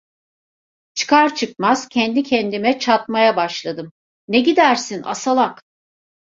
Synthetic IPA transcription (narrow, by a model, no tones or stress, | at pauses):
t͡ʃʰɯ̥kʰaɾt͡ʃʰɯk̚maz̥cʰɛnd̪icʰɛnd̪imɛt͡ʃʰat̪̚majabaʃlˠad̪ɯm | neɟid̪æɾsina̰salˠak